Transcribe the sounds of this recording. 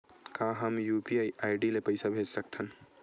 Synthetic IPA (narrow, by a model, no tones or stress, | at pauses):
kãɦəmjupiaiʔaɪɖilepəɪsabʱed͡ʒsək̚t̪ʰən